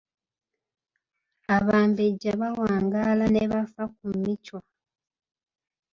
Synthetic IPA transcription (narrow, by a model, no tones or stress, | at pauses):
aβaːmbeɟaβawaːŋɡalaneβafakumicwa